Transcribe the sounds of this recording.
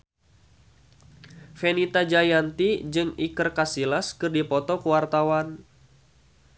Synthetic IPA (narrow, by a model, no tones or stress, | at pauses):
fenit̪ad͡ʒajant̪id͡ʒɨŋikɨrkasilaskɨrdipɔt̪ɔkəwart̪awan